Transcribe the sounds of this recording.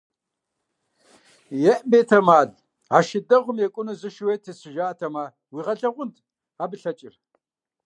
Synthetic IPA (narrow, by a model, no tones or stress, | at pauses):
jɛʔbeːtʰɐmaːɮ | aːʃɪdɐʁʷʊmjɛkʷʼʊnɨzɨʃweːtʰesɨʒaːtʰɐmaː | wiːʁɐɮɐʁʷʊntʰ | aːbɨɬɐt͡ʃʼɪr